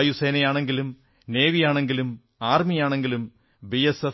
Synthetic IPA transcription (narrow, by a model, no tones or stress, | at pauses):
juse̞ːnɐjaːɳe̞ŋɡilum | ne̞ːʋijaːɳe̞ŋɡilum | aːrmijaːɳe̞ŋɡilum | biese